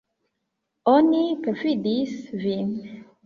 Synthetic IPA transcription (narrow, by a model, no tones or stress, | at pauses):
onipefidisvin